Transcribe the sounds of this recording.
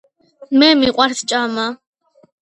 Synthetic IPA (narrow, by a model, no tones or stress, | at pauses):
mɛmiqʷʼart̪ʰt͡ʃʼama